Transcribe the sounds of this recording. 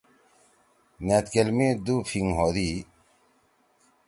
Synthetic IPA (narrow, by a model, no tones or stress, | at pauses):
nat̪kelmid̪ufiŋɦoːd̪i